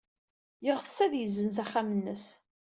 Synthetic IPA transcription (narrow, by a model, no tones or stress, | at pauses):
jəʁθsæðjəzːənzæχːamənːəs